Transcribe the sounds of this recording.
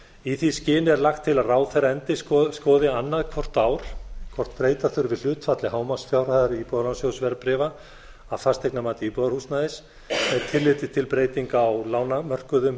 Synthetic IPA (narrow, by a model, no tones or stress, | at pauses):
iθiscɪːnɪɛɾlaxt̪ʰːɪlaðraːwθejraɛnt̪ɪsskɔːðɪanːaðkʰvɔr̥t̪aːwɾ̥kʰvɔr̥t̪̚pɾeːjt̪aθʏɾvɪðl̥ʏːt̪fat̪lɪhaːwmasfjawɾ̥haðaɾipɔðalansjowsvɛɾpɾɪva | aθast̪ʰejknamaːt̪ipɔðaɾhusnaðɪs | ɛɾt̪ʰɪlːɪt̪ɪ̥t̪ʰɪlpɾeːjt̪iŋkaːwlaːwnamœr̥kʏðʏm